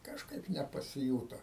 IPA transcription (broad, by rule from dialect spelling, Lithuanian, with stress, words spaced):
kɐʃˈkɐɪp nʲɛpɐsʲɪˈjuːtoː